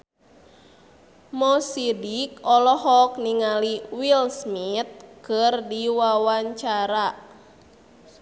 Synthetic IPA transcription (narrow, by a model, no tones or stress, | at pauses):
mɔsidikɔlɔhɔk̚niŋaliwilsmit̪̚kɨrdiwawaɲt͡ʃaɾa